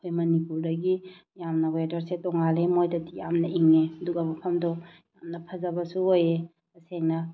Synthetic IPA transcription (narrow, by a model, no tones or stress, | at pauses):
kʰojmɐnipuɾdɐɡijamnɐwedɐɾsetɔŋalemojtɐtijamnɐʔiŋeɐduɡɐmɐpʰɐmdɔjamnɐpʰɐzɐbɐsuoje | ɐseŋnɐ